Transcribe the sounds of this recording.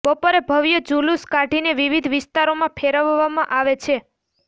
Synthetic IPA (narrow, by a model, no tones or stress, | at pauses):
bəpoɾebʱəʋjəd͡ʒuluskaɖʱineʋiʋid̪ʱʋɪst̪aɾomãpʰeɾəʋːamãʔaʋet͡ʃʰe